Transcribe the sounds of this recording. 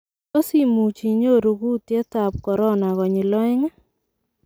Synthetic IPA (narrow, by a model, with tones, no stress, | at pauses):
o˦si˦mu˨t͡ʃi˨ɲo˦˨ɾu˨ɡu˦tje˦ta˨p̚kɔ˨ɾɔ˦na˨ɣɔ˨ɲɪ˨lɔ˦ɪ˦ŋa˦